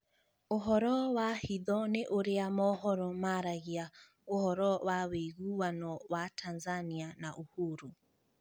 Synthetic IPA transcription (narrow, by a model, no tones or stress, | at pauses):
oɦɔɾɔwahiðɔneʔoɾeamɔhɔɾɔmaɾaɣia | ohɔɾɔwaweɣuwanɔwatʰanzanianaʔohuɾu